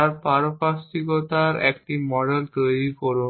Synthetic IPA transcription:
aɾpaɾopast̪ikot̪aɾḛk̚ʈimɔɖelt̪ojɾikɔɾu

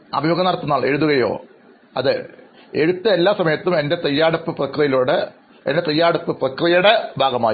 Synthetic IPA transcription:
ɐ̰bʱijɐːɡɐnːɐɾɐt̪ːunːaːɭe̞ɻuðuɣɐjo̞̰ː | ɐ̰ðɨ | e̞ɻut̪ːɐelːaːsɐmɐjɐt̪ːume̞nde̞t̪ejːaːɽupːɨprɐkrijɐjiloːɽɨ | e̞̰ndet̪ijːaːɽupːɨprɐkrijɐuɽebʱaːɡɐma̰ːji

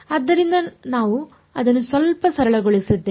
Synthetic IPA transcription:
ɐd̪ːɐɾind̪ɐnaːʋu | ɐd̪ɐnːusʋɐlpɐsɐɾɐɭɐɡoɭisid̪ːe

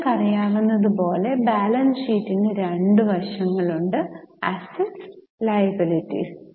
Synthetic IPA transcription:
kɐrijaːʋunːɐðɨpo̞ːle̞baːlɐnsiːtːinːɨɾeɳɖɨʋɐrʂɐŋːɐɭuɳɖɨɐseʈs | lɐjɐbilitːḭ

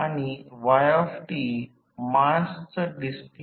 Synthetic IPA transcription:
aɽ̃iʋajɔfʈi | mastəɖisp

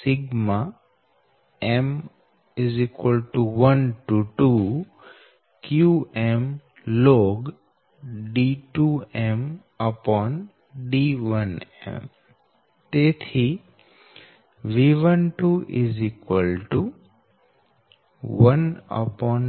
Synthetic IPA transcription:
sɪɡma | ɛm | ɪzikwəlʈuʋənʈuʈu | kjuem | lɔːɡ | ɖiʈuẽm | əpɔːn | ɖiːʋənḛ̃m | t̪eːt̪ʰi | ʋiʋənʈuʔɪzikwəlʈu | ʋɐnə̰pɔːn

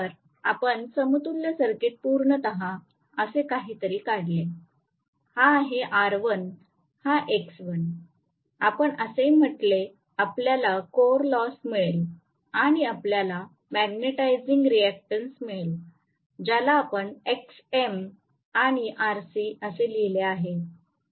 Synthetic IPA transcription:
əɾ | apəɳsəmut̪uljəsəɾkiʈ̚puɾɳət̪əɦã | əsekaɦiːt̪əɾiːkaɽle | haɦeʔaɾʋən | haʔeksʋən | apəɳəsem̤əʈle | apljalakoɾlɔsmiɭel | aɽ̃iapljala | mæɡneʈajd͡ziŋɡɾiæk̚ʈənsmiɭl | d͡ʑalaːpəɳeksem | aɽ̃iʔaɾsiəselileaɦe

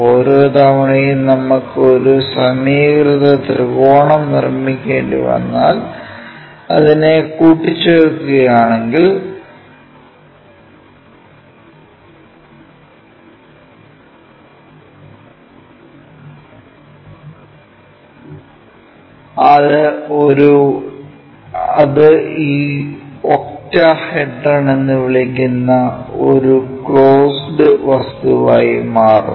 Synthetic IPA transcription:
oɾut̪ɐʋɐɳɐjilnɐmːukːɨoɾusɐmiːkrɨðɐd̪rɨɡoːɳɐmnirmikʲːe̞ːɳɖɨ̰ʋɐ̰nːa̰ːl | ɐ̰ðinekuːʈːit͡ɕːeɾukːuɣɐjaːɳe̞ŋɡil | ɐðɨoɾu | ɐðɨiː | oktːɐheɖːɐɳenːɨʋiɭikʲːunːɐo̞̰ɾukɭoːsɖɨʋɐst̪uʋaːjimaːrṵ

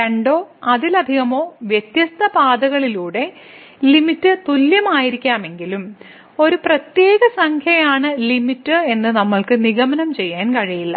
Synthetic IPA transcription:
ɐɳɖo̞ːɐðilɐd̪ʱiɣɐmo̞ːʋjet̪jɐst̪ʰɐpaːd̪ɐɣɐɭiluːɽe̞ | limitːɨt̪uljɐmaːjiɾikʲːaːme̞ŋɡilum | o̞ɾuprɐt̪je̞ːɣɐsɐŋkʰjɐjaːɳɨlimitːɨe̞nːɨnɐmːɐɭkɨniɣɐmɐnɐmt͡ɕe̞jːaːnkɐɻijilːɐ̰

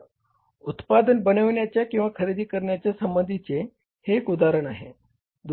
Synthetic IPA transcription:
ut̪pad̪ənbənəʋɳjat͡ɕjakĩw̃ʋakʰəɾid̪ʱiːkəɾɳjat͡ɕjasəmbənd̪ʱit͡se | hekud̪aɾəɳaɦe | d̪

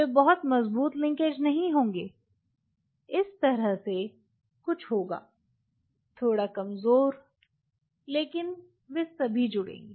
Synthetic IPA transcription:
ʋebɐɦʊt̪mɐzbuːt̪lɪ̃ŋkeːd͡ʒnɐɦĩɦõːŋɡeː | ɪst̪ɐɾəɦse | kʊt͡ʃʰɦoːɡa̰ː | t̪ʰoːɽakɐmzoːɾ | leːkɪn | ʋesɐbʱid͡ʒʊɽḛ̃ːŋɡeː

